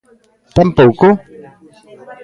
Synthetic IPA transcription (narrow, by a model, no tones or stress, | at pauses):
t̪ampoko